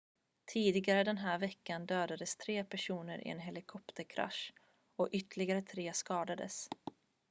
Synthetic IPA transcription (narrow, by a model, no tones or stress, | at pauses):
t̪ʰiːd̪ɪɡaɾəd̪ɛnɦæːɾvɛkːand̪øːd̪ad̪əst̪ʰɾeːpʰæʂuːnəɾʔɪ̰ɛ̰nɦɛlɪkʰɔpt̪ʰəɾkʰɾa̰ʂ | ɔʔʏt̪əɭɪɡaɾət̪ʰɾeːskɑːd̪ad̪ə̰s